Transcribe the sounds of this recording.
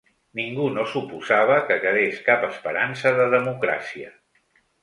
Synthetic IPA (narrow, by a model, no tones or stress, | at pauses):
niŋɡunosupuzaβ̞əkəkəðeskapəspəɾansəðəðəmukɾa̰siə̰